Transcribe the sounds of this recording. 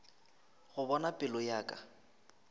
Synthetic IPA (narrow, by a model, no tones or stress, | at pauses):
ɣʊbɔnapʼɪlɔjaːkʼa